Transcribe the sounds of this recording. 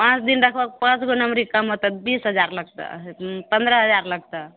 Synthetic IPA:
pãt͡ʃd̪inɾəkʰbək̚pãt͡ʃɡonamɾikəmɦot̪at̪bisɦəd͡ʒaɾləɡ̚t̪a̰pə̃nd̪ɾəɦəd͡ʒaɾləɡ̚t̪a

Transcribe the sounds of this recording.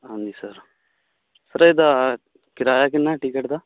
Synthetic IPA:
anisɐɾ | sɐɾɐjd̪a | kɪɾaːjak̬inːaʈikeʈd̪a

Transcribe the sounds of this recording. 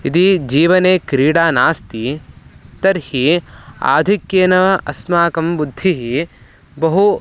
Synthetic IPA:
it̪id͡ʒiːʋɐneːkɾiːɽaːnaːst̪i | t̪ɐɾhia̰ːd̪ʱikjeːnɐʋɐɐsmaːkɐmbud̪ʱːiɦi | bɐɦu

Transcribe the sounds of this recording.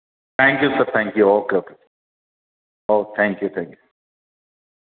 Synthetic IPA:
t̪ʰæ̃ŋkjusəɾt̪ʰɛ̃ŋkjuoːkək | ot̪ʰæ̃ŋkjut̪ʰɛ̃ŋkju

